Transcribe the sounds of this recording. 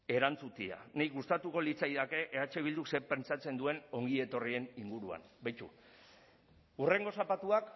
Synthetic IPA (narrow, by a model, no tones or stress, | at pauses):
e̞ɾant͡sut̪ia̰neɣust̪at̪uko̞lit͡sajðake̞ʔeat͡ʃeβ̞ild̪ukse̞ɾpe̞nt͡sat͡se̞nd̪ue̞no̞ŋɡie̞t̪o̞rie̞niŋɡuɾua̰nbajt͡ʃṵ | ure̞ŋɡo̞sapat̪uak